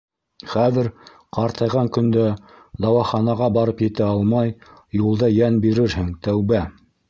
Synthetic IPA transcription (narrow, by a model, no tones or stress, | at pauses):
χæðɘɾ | qɑɾt̪ɑjʁɑŋkɵ̆nd̪æ | d̪ɑwɑχɑnɑʁɑbɑɾɤpjɘ̆t̪æɑlˠmɑjjulˠd̪ɑjænbiɾɘɾhɘŋt̪æwβæ